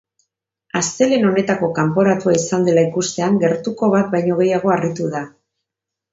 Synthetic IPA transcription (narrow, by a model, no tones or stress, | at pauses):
ast̪e̞le̞no̞ne̞t̪ako̞kampo̞ɾat̪uaisand̪e̞laikust̪e̞aŋɡe̞ɾt̪uko̞βat̪̚bajɲo̞ɣ̞e̞jaɣ̞o̞arit̪uða